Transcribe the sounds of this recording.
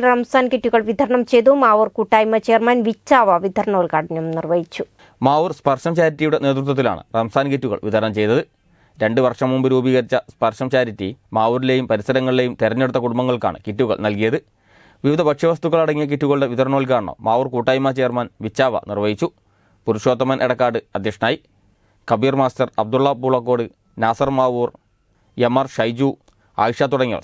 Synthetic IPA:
rɐmsaːnkitːuɣɐɭʋid̪ʱɐɾɐɳɐmt͡ɕejt̪umaːʋurkuːʈːaːjmɐt͡ɕejɐrmaːnʋit͡ɕːaːʋɐʋid̪ʱɐɾɐɳoːlkaːɽinːɐmnirʋɐjit͡ɕːu | maːʋurspɐrʂɐmt͡ɕaːɾitʲːijuɽe̞ne̞ːt̪rut̪̬ːwɐt̪ːila̰ːɳɨ̰rɐmsaːnkitːuɣɐ̰ɭʋḭd̪ʱɐɾɐɳɐmt͡ɕe̞jt̪ɐðɨ | ɾe̞ɳɖɨʋɐrʂɐmumbɐɾubiːɣɐɾit͡ɕːɐspɐrʂɐmt͡ɕaːɾitːimaːwuɾile̞jumpɐɾisɐɾɐŋːɐɭile̞jumt̪eɾɐɲːeɽut̪ːɐkuɽumbɐŋːɐɭka̰ːɳɨ̰kitːuɣɐ̰ɭnɐlkijɐðɨ | ʋiʋid̪ʱɐbɐkʂɐʋɐst̪uɣːɐɭɐɽɐŋːijɐk̬itːuɣɐɭɨɽe̞ʋiðɐɾɐɳɐːɐɭk̬aːɳɐɳɐ̰maːʋuːrkuːʈːaːjumaːt͡ɕeːɐrmaːnʋit͡ɕːaːʋɐ̰nirʋɐjit͡ɕːu | puɾuʂo̞ːt̪ːɐmɐnʔeɽɐkːaːɽɨɐd̪ʱjɐkʂɐnaːj | kɐbiːrmaːstɐrɐb̚d̪uɭːɐbuːɭɐkːo̞ːɽɨ | naːsɐrmaːʋur | jemːɐrʂɐjd͡ʑu | a̰ːjikʂjaːt̪ːuɽɐŋːɐ̰

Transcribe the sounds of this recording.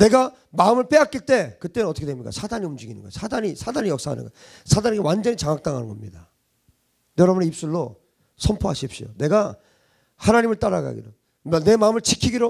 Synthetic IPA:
ne̞ɡa | maɯmɯɭp͈e̞ak͈iɭt͈e̞kɯt͈enʌt͈ʌkʰewemɲik͈a̰sʰadaɲiumd͡ʑiɡinɯ̰nŋɡo̰sʰadaɲisʰadaɲijʌk̚s͈aɦa̰nɯ̰nɡʌ̰ | sʰadaneɡewand͡ʑʌɲit͡ɕaŋak̚t͈aŋɦa̰nɯnŋɡʌ̰mɲida | jʌɾʌbuneip̚s͈uɭːo | sʰʌmpʰoɦaɕʰip̚ɕ͈ḭjo̰ne̞ɡa | hanaɲimɯɭt͈aɾaɡa̰ɡḭdo | ne̞maɯmɯɭt͡ɕʰikʰiɡiɾo

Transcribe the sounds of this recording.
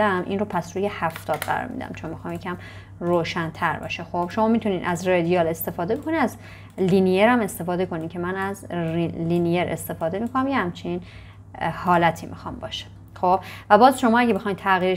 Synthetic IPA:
æmʔḭːnropʰæsɾuːjehæft̪ɒːd̪ɢæ̰ɾɒ̰ɾmḭd̪æ̰mt͡ʃʰo̞nmixɒːmjecʰæm | roːʃænt̪ʰæɾbɒ̰ʃexob̥ʃomɒːmit̪ʰuniːd̪ʔæzred̪ijɒːle̞st̪e̞fɒːd̪ebokʰoniæz | linijeɾæme̞st̪e̞fɒːd̪e̞ko̞niːkcʰe̞mænæzlinijeɾʔe̞̰st̪e̞fɒːd̪e̞mikʰonæmjehæmt͡ʃʰeniːn | hɒːlæt̪ʰḭːmḭxɒːmbɒ̰ːʃe̥ | xob̥væbɒːzʃo̞mɒːæɟebexɒjnt̪ʰæɣiːɾe

